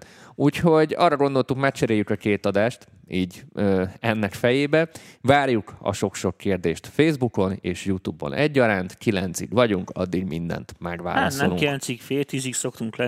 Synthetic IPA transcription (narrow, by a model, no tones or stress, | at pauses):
uːcho̞ɟɒ̰ːrːɒɡo̞nd̪o̞lt̪ukmɛkt͡ʃɛɾeːjːykɒkeːt̪ɒd̪aːʃt̪ | iːɟøːɛnːɛkfɛjeːbɛvaːrjukɒ̰ʃo̞kʃo̞kːeːrd̪eːʃt̪feːzbuko̞neːʃjut̪uːbo̰nɛɟːɒɾaːnt̪kilɛnt̪sḭɡʋɒɟuŋkɒ̰d̪ːiɡmind̪ɛ̰nt̪mɛɡʋa̰ːalːɒt̪snoɛmluŋkilɛnsikfeːlt̪izikso̞kt̪uŋklɛ